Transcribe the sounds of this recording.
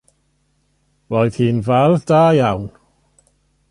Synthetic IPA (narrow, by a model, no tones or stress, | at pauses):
roːɨð̥hiːnvɛlˠðdaːjawn